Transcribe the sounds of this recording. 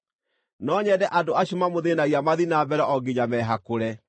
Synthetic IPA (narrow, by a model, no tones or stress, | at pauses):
nɔːɲɛdɛʔadoaɕomamoðenaɣiamaðinaːbɛɾɛʔɔɡeɲamɛɦakoɾɛ